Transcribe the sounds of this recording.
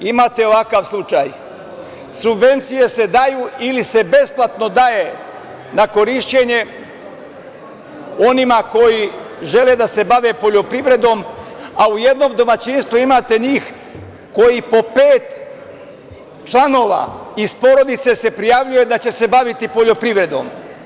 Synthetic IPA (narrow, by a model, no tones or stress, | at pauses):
imaːt̪e̞o̞ʋakaʋslˠut͡ʃaj | subʋe̞nt̪sije̞se̞d̪ajuːilise̞be̞splat̪no̞d̪aje̞ | nako̞ɾiʃt͡ɕe̞ɲe̞ | o̞nimako̞ji | ʒe̞le̞d̪ase̞baʋe̞po̞ʎo̞pɾiʋɾe̞d̪o̞mauje̞d̪no̞md̪o̞mat͡ɕinst̪ʋuimaːt̪e̞ɲiːx | ko̞jipo̞peːt̪ | t͡ʃlano̞ːʋa̰ːispo̞ɾo̞d̪it̪se̞se̞pɾijaʋʎuje̞d̪at͡ɕe̞se̞baʋit̪ipo̞ʎo̞pɾiʋɾe̞d̪o̞̰m